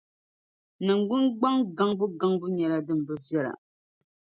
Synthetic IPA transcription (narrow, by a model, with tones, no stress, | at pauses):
nɨ˨ŋ˨ɡʊ˦nɡ͡ba˦ŋɡa˦ŋbu˦ɡa˦ŋbu˦ɲɛ˨la˦dɨ˦m̩˨bɨ˦vjɛ˦la̰˨